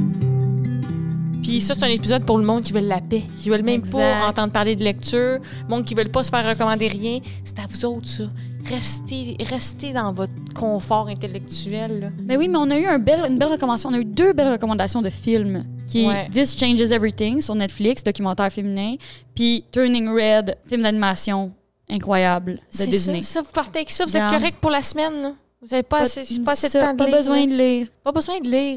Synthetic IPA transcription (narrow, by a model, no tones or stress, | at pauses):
pisʌse̥t̪ɛ̃nepizɔd̪̚puʁləmɔ̃d̪kʲivœlːapɛkʲivœlmɛ̃mpɔɑ̃t̪ɑ̃d̪̚paʁled̪əlɛk̚t̪yːʁ | mɔ̃d̪̚kʲivœlpɔsə̥fɛːʁːəkɔmɑ̃d̪eʁjɛ̃ | se̥t̪avuzɔʊt̪χsɔ | ʁɛst̪eʁɛst̪ed̪ɑ̃vɔt̪χkʰɔ̃fɑːʁɛ̃t̪elɛk̚t̪yɛlːɔbɛwimɛɔ̃nayœ̃bɛlynbɛlʁəkɔmɑ̃d̪asjɔ̃nyd̪øbɛlʁəkɔmɑ̃d̪asjɔ̃d̪əfɪlmkʲʰiɛd̪ɪst͡ʃɛ̃ɪ̃nd͡ʒɪzɛvɹit̪ɪ̃ŋsyʁnɛt̪flɪksd̪ɔkʲymɑ̃t̪ɛːʁfeminɛ̃pit̪œ˞nɪ̃ŋɹɛd̪fɪlmd̪animasjɔ̃ | ɛ̃kχwajabld̪ədezneɔvupaʁt̪eksɔvuzɛt̪kɔʁɛk̪̚pʊʁlasmɛnlɔ | vuzavepɔasepɔaseɑ̃d̪pɔlbəzwɛ̃d̪liːʁpɔbəzwɛ̃d̪əliːʁ